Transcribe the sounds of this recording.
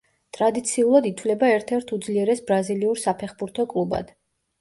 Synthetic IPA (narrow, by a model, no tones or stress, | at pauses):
t̪ʼɾad̪it̪sʰiulˠad̪it̪ʰvlɛbaɛɾt̪ʰɛɾt̪ʰud̪zliɛɾɛsbɾaziliuɾsapʰɛχbuɾt̪ʰɔkʼlˠuba̰d̪̥